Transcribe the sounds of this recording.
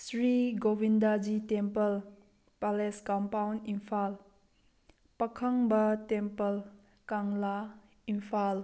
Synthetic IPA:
sɾiɡowindad͡ʒitɛmpɐl | palɛskampawnimpʰal | pɐkʰɐŋbɐtɛmpɐl | kaŋla | impʰal

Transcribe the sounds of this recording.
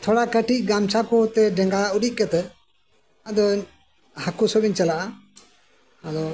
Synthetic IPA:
t̪ʰɔɽakəʈic̚ˀɡamt͡ʃʰakɔt̪ɛɖɛŋɡauɗiʔ̚kət̪ɛ | ad̪ɔ | hakusɔbiɲt͡ʃalaʔa | ad̪ɔ

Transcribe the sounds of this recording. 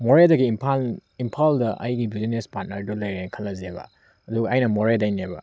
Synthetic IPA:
moɾedɐɡimpʰalimpʰaldɐʔɐ̰jɡibizinespat̚nɐɾdolɐjɾekʰɐlːɐzebɐ̰ | ɐduɡɐːjnɐmoɾedajnebɐ̰

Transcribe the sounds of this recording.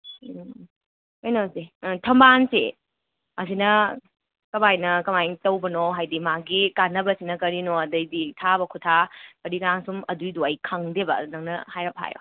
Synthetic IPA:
ojnozitʰɐmbansḛ | ɐsinɐ | kɐmajnɐkɐmajtɐwbɐnoɦajdimaɡikanːɐbɐsinɐkɐɾinoɐdɐjditʰabɐkʰutʰakɐɾikaŋsumɐdujduɐjkʰaŋdebɐ̰nɐŋnɐhajɾɐp̚ha̰jo̰

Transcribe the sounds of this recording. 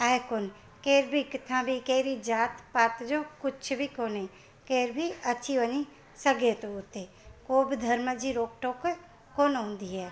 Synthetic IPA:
aːekon | keːɾbʱikɪt̪ʰãːbʱikeːɾid͡ʒaːt̪paːt̪d͡ʒokʊt͡ʃʰbʱikoːne | keːɾbʱiɐtːʃʰiʋəɲi | səɡet̪oʊt̪e | koːbd̪ʱɐɾməd͡ʒiɾoːk̚ʈoːk | koːnɦõːnd̪iɦɛː

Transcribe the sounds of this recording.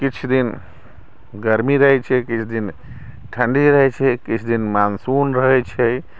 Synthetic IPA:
kit͡ʃʰd̪in | ɡəɾmiɾəɦɛt͡ʃʰɛkit͡ʃʰd̪in | ʈʰəɳɖiɾəɦɛt͡ʃʰɛkit͡ʃʰd̪inmansunɾəɦɛt͡ʃʰɛ

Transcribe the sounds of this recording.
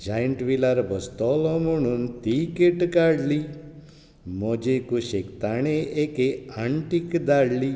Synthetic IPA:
d͡ʒajəɳʈʋilaɾbʱəst̪ɔlɔ̃moɳunt̪ikeʈkaɽli | mɔd͡ʒekuʃekt̪aɳeʔekeaɳʈikd̪aɽli

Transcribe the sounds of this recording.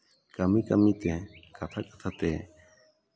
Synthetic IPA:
kamikamĩt̪ekat̪ʰakḁt̪ʰat̪eː

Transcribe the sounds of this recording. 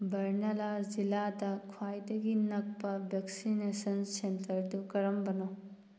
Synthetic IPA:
bɐɾnɐlaziladɐkʰwajdɐɡinɐk̚pɐbʱeksinesɐnsentɐɾdukɐɾɐmbɐno

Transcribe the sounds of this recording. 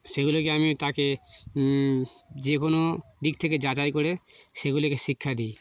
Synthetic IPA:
ʃeɡulokeamit̪ake | d͡ʑekonod̪ik̚t̪ʰeked͡ʑat͡ɕajkoɾeʃeɡulokeʃikʰːad̪ij

